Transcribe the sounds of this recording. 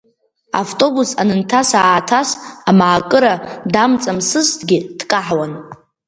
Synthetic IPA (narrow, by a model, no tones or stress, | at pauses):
a̰ftʼo̞busanɨntʰasaːtʰasamaːkʼɨɾadamt͡sʼamsɨstʰʼɡʲɪd̥kʼaħwan